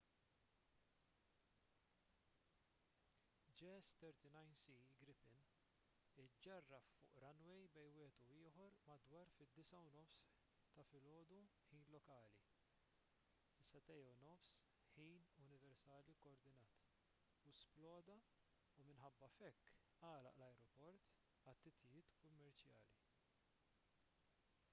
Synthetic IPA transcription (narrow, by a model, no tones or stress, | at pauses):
d͡ʒɛst̪ɛɾt̪inɐjnsiɡɾɪpɪn | ɪd͡ʒːɐrːɐfʊ̰ːʔɾɐnwɛjbɛjnwɪːhɛt̪uɪːħɔɾmɐd̪wɐːɾfɪd̪ːɪsɐunɔfs | t̪ɐfɪlɔːd̪uħiːnlɔkɐːli | ɪsːɐt̪ɛjɐwnɔfs | ħiːnʊnɪvɛɾsɐːlikɔːɾd̪ɪnɐːt̪ | usplɔːd̪ɐ | umɪnħɐbːɐfɛkː | ɐːlɐ̰ʔlɐjɾɔpɔɾt̪ | ɐt̪ːɪt̪ʰɪjɪːt̪kʊmːɛɾt͡ʃjɐːli